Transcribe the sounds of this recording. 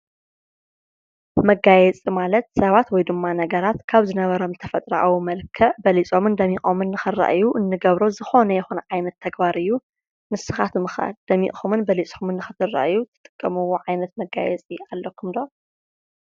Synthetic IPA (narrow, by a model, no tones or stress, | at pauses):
mɐɡajɛt͡sʼimalɐt̪̚sɐβat̪wɔjd̪ɨmːanɐɡɐɾat̪kʰaβzɨnɐβɐɾo̞mt̪ʰɐfɐt̪ʼɾɐ̰ʔawumɐlkʰɐbɐlit͡sʼo̞mɨnd̪ɐmixʼomɨnːɨxɨra̰ʔjuʔɨnːɨɡɐβɾozɨxo̞nɐjɛxunʕajnɐt̪ʰːɐɡbaɾɨjːu | mɨsɨxat̪mɨxa̰d̪̥ɐmḭʔxomɨnbɐlit͡sʼomɨnːɨxɨt̪ʰɨrːa̰ʔɨjːut̪ʰɨ̥t̪ʼɨ̥kʼːɐmɨwoʕajnɐt̪̚mɐɡa̰jɛ̰t͡sʼialːɐkʰːumd̪o